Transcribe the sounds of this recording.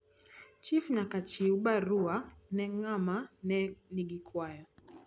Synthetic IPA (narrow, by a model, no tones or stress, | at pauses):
t͡ʃifɲakat͡ʃiuɓaɾuanɛŋamanɛniɡikʰwajɔ